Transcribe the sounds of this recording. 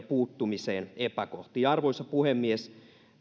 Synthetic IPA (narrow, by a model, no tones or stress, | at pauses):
puːt̪ːumiseːnepækoht̪iːɑrʋoisɑpuhemːies